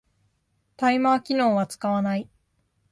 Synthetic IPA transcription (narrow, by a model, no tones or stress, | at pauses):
t̪aimaːkʲino̞ːβat͡sɨ̥kaβanai